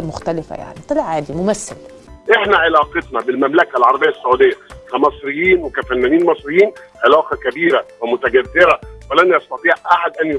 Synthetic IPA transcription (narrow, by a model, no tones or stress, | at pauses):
mʊxt̪ælɪfæ̰ja̰ʕnit̪ˤɑlʕaːd̪imʊmæsːɪ̰l | ʔeħnæʕelɑːqet̪nɑbɪlmæmlækælʕɑɾˤɑbɪjːæsːʊʕuːd̪ɪjːækæmɑsˤɾejːiːnwekæfænːæniːnmɑsˤɾɪjːiːn | ʕelɑːqɑkæbiːɾæwæmʊt̪æɡæd̪ːɪɾæwælænʔɑst̪ɑt̪ˤiːʕʔaħad̪ʔænj